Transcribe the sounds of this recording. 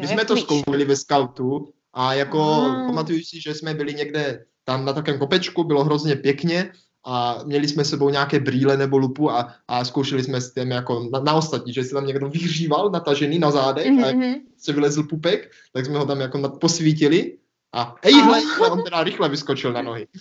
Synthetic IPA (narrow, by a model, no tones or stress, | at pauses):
mɪsmɛt̪oskowʃɛlivɛskalt̪u | ʔajakopamat̪ujusiʒɛsmɛbɪliɲɛɡdɛ | t̪amnat̪akɛːmkopɛt͡ʃkubɪloɦɾozɲɛpjɛkɲɛ | ʔamɲɛlismɛsɛbowɲaakɛːbɾiːlɛnɛbolupuaʔːskowʃɛlismɛst̪ɛmjakonanaost̪at̪ɲiʒɛsɛt̪amɲɛɡdovɪriːvalnat̪aʒɛniːnazaːdɛxajakpɾosɛvilɛzl̩pupɛk | t̪aɡsmɛɦot̪amjakonaposʋiːcɪlɪ | ʔaɛjɦlɛɛʔont̪ɛdaɾɪxlɛvɪskot͡ʃɪlnanoɦɪ